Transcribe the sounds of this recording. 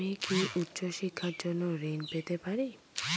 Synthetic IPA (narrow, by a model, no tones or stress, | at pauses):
ikʰiʔutːɕoʃikʰːaɾd͡ʑonːoɾinpet̪epaɾi